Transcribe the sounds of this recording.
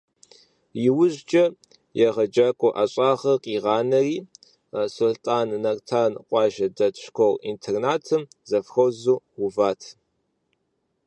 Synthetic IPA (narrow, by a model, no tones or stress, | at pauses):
jɪwʊʒd͡ʒʼɐ | jɛʁɐd͡ʒaːkʷʼɔʔɐɕʼaːʁɐqʼiːʁɑːnɐriː | sultʼaːnnɐrtʰaːnqʷʼɑːʒɐdɐtʰɕkʷʰowḭntʰernaːtʰɨm | zɐfxɐwzuːwʊvaːtʰ